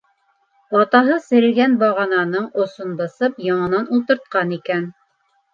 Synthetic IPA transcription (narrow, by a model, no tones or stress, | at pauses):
ɑt̪ɑɦɤsɘ̆ɾɘ̆ɡænbɑʁɑnɑnɤɴŏsonbɤ̆sɤpjɑɴɤ̆nɑnulˠt̪ɤ̆ɾt̪̚qɑnikæn